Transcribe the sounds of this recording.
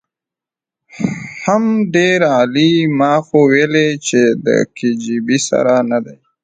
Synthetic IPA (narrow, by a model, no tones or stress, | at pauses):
hamɖeɾaːlimɑːxoweːlet͡ʃed̪ə̰kʰid͡ʒibisa̰ɾanad̪aj